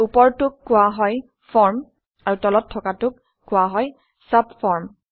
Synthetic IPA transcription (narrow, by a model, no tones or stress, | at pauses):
upɔɹtʊkːʊwaɦɔj | fʰɔɹm | aɹutɔlɔtʰːɔkatʊkː | ʊwaɦɔj | sabfʰɔɹm